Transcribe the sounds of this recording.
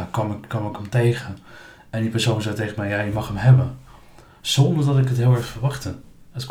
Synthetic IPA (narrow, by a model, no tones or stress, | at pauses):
kɔmkɔmɪkʰəmtejχən | ɛndipəɹsownzɛjtejχəmɛjajəmɑχəmɦɛbən | z̥ɔndəɹdɔtɪkətɦɪːlˠɛɹχfəɹʋɑχtəət